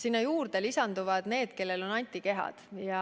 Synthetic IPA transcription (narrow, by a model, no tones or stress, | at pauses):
sinːɑjuːrd̪̥elisɑnd̪uvɑd̪̥ne̞ːd̪̥ke̞lːe̞lo̞nɑnʲt̪ˑike̞ɦɑ̰d̪̥jɑ